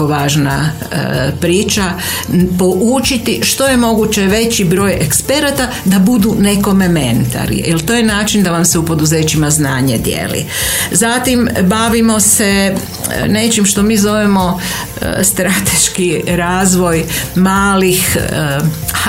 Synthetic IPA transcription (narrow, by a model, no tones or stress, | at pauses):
oʋaːʒna̰ | pɾiːt͡ʃa | po̞ʔut͡ʃit̪iʃt̪o̞je̞mo̞ɡut͡ɕe̞ʋe̞t͡ɕibɾo̞ːjekspe̞ɾat̪a | d̪abud̪une̞ko̞memḛnt̪a̰ɾḭjelˠt̪oːjenaːt͡ʃind̪aʋamseupo̞d̪uzeːt͡ɕimaznaːɲe̞d̪jḛːlḭ | zat̪imbaʋimo̞se | ne̞t͡ʃimʃt̪o̞miːzo̞ʋemo̞̰ | st̪ɾat̪e̞ʃkiɾaːzʋo̞jmaːlix